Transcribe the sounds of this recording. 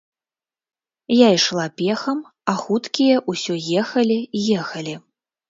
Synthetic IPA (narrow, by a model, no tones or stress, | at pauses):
jajʂlˠapʲɛxɐm | ɐxut̪kʲijɐʔusʲɔjɛxɐlʲijɛxɐlʲi